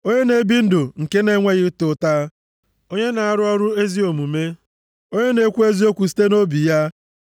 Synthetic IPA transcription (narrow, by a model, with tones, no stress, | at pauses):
o˦ɲe˦ne˨˦bi˦n̩˦dʊ˨ŋ̩˨ke˦ne˦ŋʷe˦ɣɪ˦tʊ˨˦ta˦ | o˦ɲe˦na˨a˦ɾʊ˦ɔ˦ɾʊ˦e˦zi˦o˨mu˨me˦ | o˦ɲe˦ne˨˦kʷu˦e˦zi˦o˦kʷu˨s̬i̥˦te˦no˦bi˨ja˦